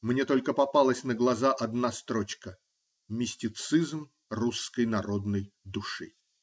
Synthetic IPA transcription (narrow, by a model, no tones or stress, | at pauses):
mnʲet̪o̞lʲkəpɐpalˠəsʲnəɡlˠɐzaʔɐd̪nast̪ɾot͡ɕkə | mʲɪsʲtʲɪt̪sɨzm | ruskəjnɐɾo̞d̪nəjd̪ʊʂɨ̰